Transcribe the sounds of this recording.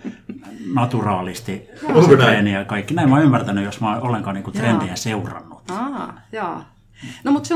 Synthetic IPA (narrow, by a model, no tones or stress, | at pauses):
nɑt̪urɑːlist̪i | enijɑkɑikːinæimɑˑymːært̪ænyjosmɑˑʔolːeŋkɑːniːŋkut̪rend̪ieseurɑ̰nːut̪jɑː | nomut̪se